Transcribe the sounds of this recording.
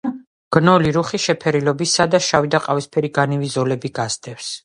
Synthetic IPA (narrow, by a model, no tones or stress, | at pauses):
ɡ̥nɔliɾuχiʃɛpʰɛɾilɔbisad̪aʃavid̪aqʼavispʰɛɾiɡanivizɔlɛbiɡazd̪ʼɛfs